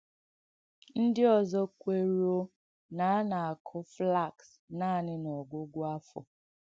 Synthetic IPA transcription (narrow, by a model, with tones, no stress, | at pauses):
n̩˦dɪ˦ɔ˨zɔ˦kʷe˨ɾo˦ | na˨a˦na˨a˨kʰʊ˦fla˦˨ks | naː˦˨nɪ˦nɔ˨ɡʷʊ˦ɡʷʊ˦a˦fʊ̰˨